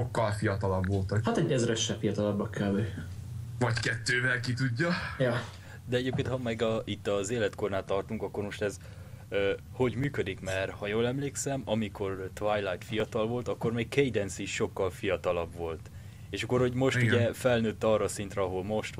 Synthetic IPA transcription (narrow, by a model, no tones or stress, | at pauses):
ʃokːɒlfijɒt̪ɒlɒbvo̞lt̪ɒkhɒt̪ɛɟɛzrɛʃːɛpfijɒt̪ɒlɒbːɒkʰːɛbe | vɒɟkɛt̪ːøːvɛlkit̪uɟːɒjɒ | d̪ɛɛɟeːp̚keːnt̪hɒmɛɡɒit̪ːɒzeːlɛt̪ko̞rnaːt̪ːɒrt̪uŋkɒkːo̞rmo̞ʃt̪ɛz | øː | ho̞ɟmyːkød̪ikmɛrhɒjoːlɛmleːksɛmɒmikʰo̞rt̪vajlajt̪fijɒt̪ɒlvo̞lt̪ɒkːo̞rmeːkkejd̪ɛnsiʃːo̞kːɒlfijɒt̪ɒlɒbʋo̞lt̪ | eːʃɒkːo̞rho̞ɟmo̞ʃt̪uɟɛfɛlnøːt̪ːɒːrːɒːsint̪rɛɒɦo̞lmo̞ʃt̪